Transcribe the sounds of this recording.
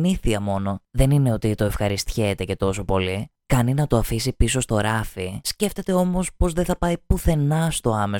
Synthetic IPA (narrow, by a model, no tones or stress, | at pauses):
niθiɐmo̞no̞ðe̞nine̞o̞t̪it̪o̞efxɐɾist̪çet̪e̞ce̞t̪o̞so̞po̞likɐninɐt̪o̞ɐfisipiso̞st̪o̞ɾɐfisce̞ft̪e̞t̪e̞o̞mo̞spo̞zðeθɐpɐipuθe̞nɐst̪o̞ɐme̞